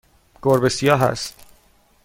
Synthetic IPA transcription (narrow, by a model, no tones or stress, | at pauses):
ɡ̥oɾbesijɒːɦæ̰st̪